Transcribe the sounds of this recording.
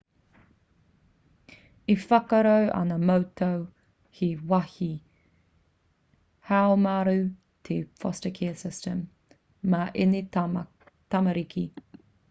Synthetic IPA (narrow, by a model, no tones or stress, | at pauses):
ifɐkɐɾowʔɐ̰nɐmowtʰow | hiwɐhi | haomaɾʉ | t̪ʰefɔstəkʰɛːsɪstəmː | aʔene | t̪ɐmɐɾikʰi